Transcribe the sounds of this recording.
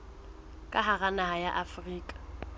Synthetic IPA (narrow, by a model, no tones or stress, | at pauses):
kʼaɦaɣanahajaʔafriːkʼḁ